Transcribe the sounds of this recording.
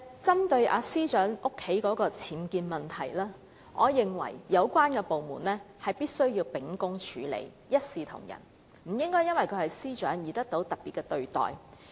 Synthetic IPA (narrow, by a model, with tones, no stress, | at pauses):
t͡sɐ˥mt̪ɵ˧ɥʔa̰ː˨˧siː˥t͡ʃœː˨˥ŋʔʊ˥kʰːe˨˥jkɔː˨˥kɔː˧t͡sʰiː˨˧nkiː˧nmɐ˨nt̪ʰɐ˨˩jlaː˥ | ŋʔɔː˨˧jɪ˨ŋwɐ̰˨˩jːɐ˨˧wkʷaː˥nkɛː˧po˨˩wmṵː˨˩nlɛː˥ | hɐ˨jpiː˥t̚sɵ˥ɥjiː˧wpɪ˨˥ŋkʊ˥ŋt͡ʃʰyː˨˧lḛ˨˧˩j | jɐ˥t̚siː˨t̪ʰʊ̰˨˩ŋjɐ̰˨˩n | m̩˨˩jɪ˥ŋkɔː˥jɐ˥nwɐ˨jkʰɵ˨˧ɥhɐ˨˩jsiː˥t͡ʃœ̰ː˨˥ŋjiː˨˩t̪ɐ˥k̚t̪o˨˥wt̪ɐ˨˩p̚piː˨t̚kɛ˧t̪ɵ˧ɥt̪ɔ̰ː˨j